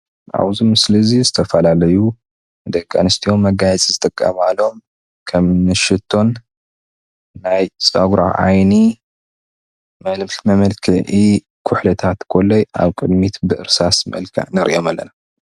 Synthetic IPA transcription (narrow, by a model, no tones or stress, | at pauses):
ʔa̰βzimɨslizizɨt̪ʰɐfɐlalɐju | d̪ɐkʼːanɨst̪ʰio̞mːɐɡajɛt͡sʼizɨt̪ʼɨkʼːa̰malo̞m | kʰɐmnɨʃɨt̪ʰːo̞n | ajt͡sʼɐɡɾa̰ʕa̰jni | mɐlmɬmɐmɐlkʰɨʕi | kʰʊħlɐt̪ʰat̪kʰolːojʔa̰βkʼɨd̪mit̪bɨʔɨ̰ɾsasmɐ̰lkʰɐ̰ʕnɐɾʔijo̞malːɐ̰na